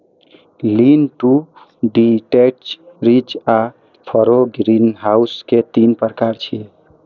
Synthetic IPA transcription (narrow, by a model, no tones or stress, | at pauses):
linʈu | ɖiʈet͡ʃɾit͡ʃa | pʰɔɾoɡɾinɦausket̪inpəɾkaɾt͡ʃʰi